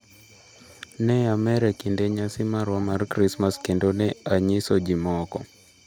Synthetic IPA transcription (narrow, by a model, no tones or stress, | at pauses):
nɛamɛɾɛkindɛɲasimaɾwamaɾkɾismaskɛndɔnɛaɲisɔd͡ʒimɔkɔ